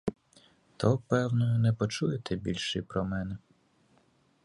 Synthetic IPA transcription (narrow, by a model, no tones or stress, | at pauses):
t̪ʰɔpɛwnɔjʊnɛpɔt͡ʃujet̪ʰɛbʲilʲʃɪjpɾɔmɛnɛ